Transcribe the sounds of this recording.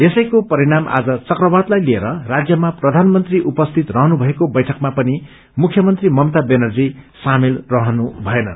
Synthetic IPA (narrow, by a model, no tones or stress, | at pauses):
esʌjkopʌɾiɽama̰d͡zʌt͡sʌkrʌbad̪lajlieɾʌrad͡zjʌmaprʌd̪ʱanmʌnt̪riʔupʌst̪ʰit̪rʌɦʌnubʱʌekobʌjʈʰʌkmapʌni | mukʰjʌmʌnt̪rimʌmt̪abenʌrd͡zisamelrʌɦʌnubʱʌenʌ̰n